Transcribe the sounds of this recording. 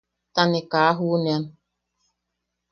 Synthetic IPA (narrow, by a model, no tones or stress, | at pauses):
tanɪkaaɦʊnen